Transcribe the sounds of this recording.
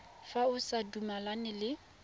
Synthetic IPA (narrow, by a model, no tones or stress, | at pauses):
faʊsadumalanɪlɪ